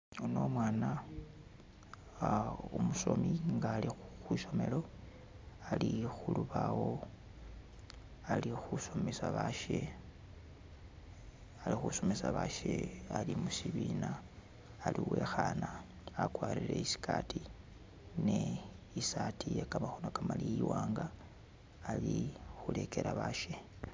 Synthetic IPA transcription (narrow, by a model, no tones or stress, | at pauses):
uno̞mwaːna | umuso̞miŋɡaːlixwiso̞me̞lo̞ | alixuluβawo̞ | alixuso̞mesaβaʃe | alixuso̞mesaβaʃealimusiβiːnaː | liwe̞ːxanaː | kwaːɾileisi̥kʰati | ne | isatʰijekamaxonokamalijiwaːŋɡaː | lixule̞ke̞ɾaβaːʃe